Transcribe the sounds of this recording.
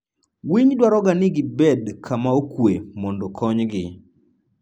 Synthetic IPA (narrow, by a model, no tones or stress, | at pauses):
wiɲdwaɾɔɡanɪɡɪbɛdkʰamaokwemɔndɔkʰɔɲɡɪ